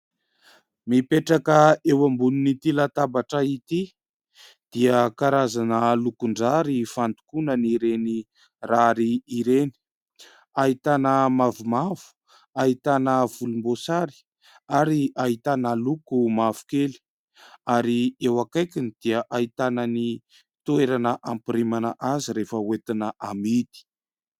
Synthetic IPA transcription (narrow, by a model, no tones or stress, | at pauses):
mipeʈ͡ʂakəewambununit̪ilat̪abaʈ͡ʂəit̪i | d̪̥iəkaɾazanəlukuɳɖ͡ʐaɾifant̪u̥kunəniɾeni | raɾiːɾeni̥ | ait̪anəmavumavu̥ | ait̪anəvulumbosaɾi̥ | aɾiait̪anəlukumavu̥keli̥ | aɾiewakajkʲinid̪̥iəʔait̪anəni | t̪ueɾanəʔampiɾimanəʔaziɾefəwet̪inəʔamid̪i̥